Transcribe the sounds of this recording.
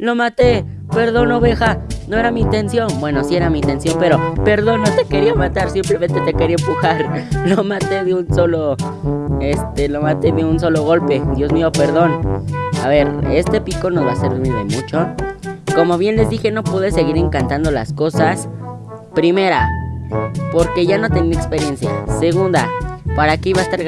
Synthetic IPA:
lo̞mat̪e̞ | pe̞ɾðo̞no̞βe̞xano̞e̞ɾamiːnt̪e̞nsjo̞nbwe̞no̞sie̞ɾamint̪e̞nsjo̞mpe̞ɾo̞pe̞ɾðo̞not̪e̞ke̞ɾiamat̪aɾsimplement̪e̞t̪e̞keɾiepuxaɾlomat̪e̞ðeunso̞lo | est̪elo̞mat̪e̞meuns̬o̞lo̞ɣ̞o̞lpe̞ðjo̞zmio̞pe̞ɾðo̞naβe̞ɾe̞st̪e̞piko̞no̞zβase̞ɾβmilðemut͡ʃo̞ko̞mo̞βje̞nle̞zðixe̞no̞pwuðe̞se̞ɣiɾe̞ŋkant̪and̪o̞la̰sko̞sas | pɾime̞ɾa | po̞ɾke̞ʝano̞t̪e̞niekspe̞ɾje̞nsja̰se̞ɣund̪apaɾakeiβaest̪aɾ

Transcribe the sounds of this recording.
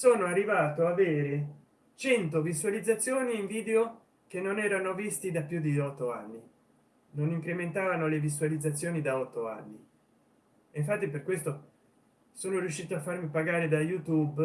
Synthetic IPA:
soːnoarːivaːt̪oaveːɾe | t͡ʃɛnt̪ovisualid̪zat̪sːjoːniːɱviːd̪eo | kenːonɛːɾanovist̪id̪apjud̪iɔt̪ːoa̰nːi | noniŋkɾement̪aːvanolevisuwalid̪zːat̪sːjoːnid̪aɔt̪ːoa̰nːi | eɱf̬at̪ːiperkwest̪o | soːnoɾjuʃːiːt̪oafːarmipaɡaːɾed̪ajut̪ub

